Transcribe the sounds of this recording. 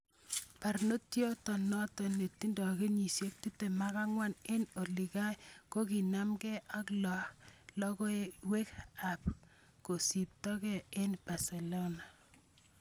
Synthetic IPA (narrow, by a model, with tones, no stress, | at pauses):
pa˨rno˦tjɔ˦tɔ˨nɔ˦tɔ˨ne˨tːi˦ndɔ˨ke˦ɲi˨sje˦k̚ti˦te˨ma˦ka˦ŋwa˦ne˦no˨li˨ka˦jko˦ki˨na˦mkɛ˦ʔa˦klɔ˨lɔ˦kɔ˦ewe˦ka˨p̚ | ko˨si˨p̚tɔ˦kɛ˦e˦nb̥a˨se˨lo˦na˨